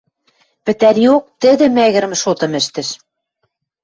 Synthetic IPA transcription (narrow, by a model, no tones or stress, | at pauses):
pɘ̆t̪æɾiok̚t̪ɘ̆d̪ɘ̆mæɣɘ̆ɾɘ̆mʃot̪ɤ̆mɘ̆ʃt̪ɘ̆ʃ